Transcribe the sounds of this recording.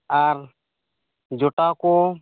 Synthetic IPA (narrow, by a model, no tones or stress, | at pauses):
aɾ | d͡ʒɔʈakɔ